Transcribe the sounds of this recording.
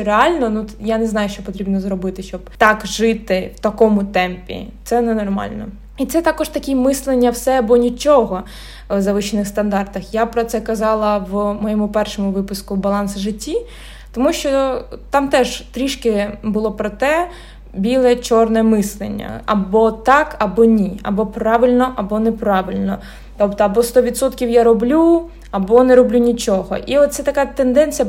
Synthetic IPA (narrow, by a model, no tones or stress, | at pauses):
ɾeɑlʲnɔnujanɛznɑjʊʃt͡ʃɔpɔt̪ɾʲibnɔzɾɔbɪt̪ɪʃt͡ʃɔb̥̚t̪ɑkʒɪt̪ɪwt̪ɐkɔmʊt̪ɛmpʲḭt̪sɛnɛnɔrmɑ̰lʲnɔ̰ | it̪sɛt̪ɑkɔʒt̪ɐkʲimɪslˠenʲːɐwsɛɐbɔnʲit͡ʃɔɦɔ | ʋzɐʋɪʃɪnɪxst̪ɐnd̪ɑrt̪ɐxjapɾɔt̪sɛkɐzɑlˠɐʋmɔjɔmʊpɛrʃɔmʊʋɪpʊskʊbɐlˠɑnsʒɪtʲːi | t̪ɔmuʃt͡ʃɔt̪ɑmt̪ɛʒt̪ɾʲiʃkɪbʊlˠɔpɾɔt̪ɛ | bʲilˠɛt͡ʃɔrnɛmɪslˠḛnʲːɐ̰ɐ̰bɔt̪ɑkɐbɔnʲiɐ̰bɔpɾɑʋɪlʲnɔʔɐbɔnepɾɑʋɪlʲnɔ | t̪ɔpt̪ɔɐbɔst̪ɔʋʲid̪sɔt̪kʲiwjaɾɔblʲu | ɐbɔneɾɔblʲunʲit͡ʃɔɦɔ̰ʔiɔt̪t̪sɛt̪ɐkat̪end̪ɛnʲt͡sʲijɐ